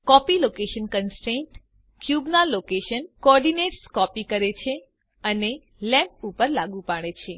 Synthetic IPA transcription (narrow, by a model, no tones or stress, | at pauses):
kɔpilokeʃənkənsʈɾẽɳʈ | kjubnalokeʃənkoɔɾɖineʈskɔpikəɾet͡ʃʰe | əne | lɛ̃mp̚upəɾlaɡũpaɽ̃et͡ʃʰe